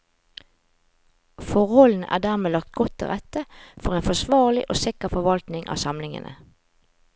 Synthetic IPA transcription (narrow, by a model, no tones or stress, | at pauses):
fɔʁhɔln̩æ̰ːʁd̪æːʁmeːlɑk̚t̪ɡɔt̪ʰːɪ̰ʁɛt̪əfɔʁeːnfɔsʋɑːʁlɪʔoːsɪkəʁfɔʋɑlt̪nɪŋʔɑ̰ːsɑmlɪŋə̰nə̰